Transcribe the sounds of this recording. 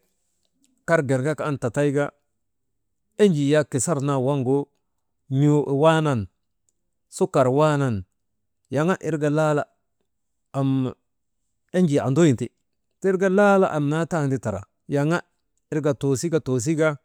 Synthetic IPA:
ka˦ɾɡe˨ɾɡa˦kaː˦nta˨ta˦jɡa˦ | e˦ɲd͡ʒi˨ja˦ki˨sa˦ɾna˨wa˦ŋɡo˦ | ɲo˦ʔwa˦na˨n | su˦ka˨ɾwa˦na˨n | ja˨ŋa˦ʔi˦ɾɡa˨la˦la˦ | a˨m | e˦ɲd͡ʒi˨a˨ndo˦ji˨nti˨ | te˦ɾɡa˦la˦la˦ʔa˨mna˦ta˦˨ndi˦ta˨ɾa̰˨ | ja˨ŋa˦ | i˦ɾɡa˨to˨si˦ɡa˦to˨s̬i˦ɡa˦

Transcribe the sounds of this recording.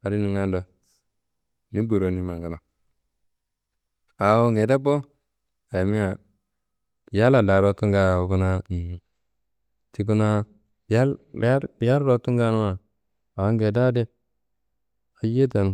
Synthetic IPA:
a˨ɾi˦nu˨ŋa˦ndo˨˦ | ni˦bu˨ɾo˨ni˦ma˨ɡa˨na˨ | a˨wo˦ŋe˨da˦bo˦ | a˨ja˨mi˦ŋa˨ | ja˦la˨da˨ɾo˦tu˦ŋɡa˦˨o˨˦ku˦na˦˨ | ti˦ku˦na˦ | ja˦la˦˨ja˦lɾo˨tu˦ŋɡa˦nu˦wa˨ | a˨a˦ŋɡe˨da˦de˦ | a˨je˦t̬a˨n˨

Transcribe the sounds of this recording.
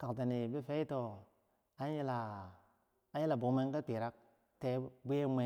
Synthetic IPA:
ka˨kta˨ne˨be˦fe˦i˦to˨ | a˦i˦la˨˦ | ji˦la˨bo˨˦me˦n˦ka˦pi˨ɾa˦k̚ | te˦bʷe˦mʷe˦

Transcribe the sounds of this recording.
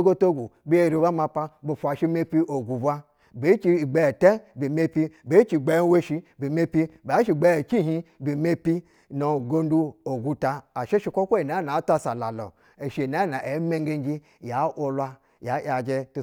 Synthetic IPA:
o˦ɡo˦to˦ɡu˨bi˦e˦˨ɾi˨ba˦ma˧pa˦bo˨fʷa˨ʃi˦me˦pi˦o˨ɡu˨bʷa˦ | be˨˦t͡ʃi˦˨ɡ͡be˦˨te˦bi˨me˦pi˦be˨˦t͡ʃi˨ɡ͡be˦we˦ʃi˦bi˨me˦pi˦ba˨˦ʃi˨ɡ͡be˦˨t͡ʃi˦ɦi˦bi˨me˦pi˦ | no˨ɡo˦n˦du˦o˨ɡu˦ta˦a˨ʃe˦ʃi˦kʷo˦kʷo˦i˨na˨˦na˨˦ta˦sa˨la̰˨lo̰˨ | e˨ʃi˨na˨˦na˨ʔe˨˦me˦ŋɡe˦n˦d͡ʒi˦ | ja˨˦ʔo˦lwa˦ | ja˨˦ja˨d͡ʒe˦tu˨

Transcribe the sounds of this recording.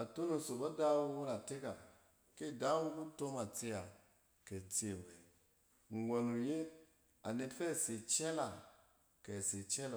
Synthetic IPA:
a˨tu˦no˨so˨ba˦da˦wu˦wu˦ɾa˨te˦ka˨ | ki˦˨da˦wu˦ku˦to˦ma˨t͡si˦a˨ | kɛ˨t͡si˦e˨we˨ | ŋ˨ɡʷo˨nu˨je˦ | a̰˨ne˨fɛ˦˨si˨t͡ʃɛ˦la˨ | kɛ˨si˨t͡ʃɛ˦la˨

